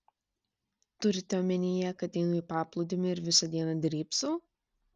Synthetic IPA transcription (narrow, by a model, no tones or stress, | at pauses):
t̪ʊɾʲɪt̪ʲɛɔːmʲɛnʲɪjɛkɐt̪ʲɛɪnʊiːpɑːplˠʊd̪ʲɪmʲɪɪɾʋʲɪsɐd̪ʲiɛnɐd̪ʲɾʲiːpsuː